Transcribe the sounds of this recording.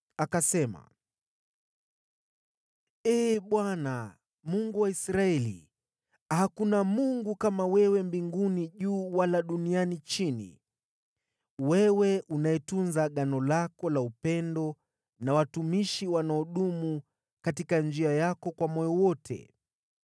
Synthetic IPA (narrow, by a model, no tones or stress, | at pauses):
akasɛma̰ | ɛːɓwana | muŋɡuwaisɾaɛlḭ | hakunamuŋɡukamawɛwɛmbiŋɡuniʄuːwalaɗunianit͡ʃinḭ | wɛwɛʔunaɛtunzaɠanɔlakɔlaupɛndɔ | nawatumiʃiwanaɔɗumu | katikand͡ʒiajakɔkwamɔjɔwɔtʰɛ̰